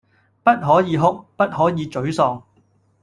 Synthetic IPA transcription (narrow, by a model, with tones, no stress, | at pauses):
pɐ˥t̚ɦɔː˨˥jiː˨˧ɦʊ˥k̚pɐ˥t̚hɔː˨˥jiː˨˧t͡ʃɵ˨˥ɥsɔː˧ŋ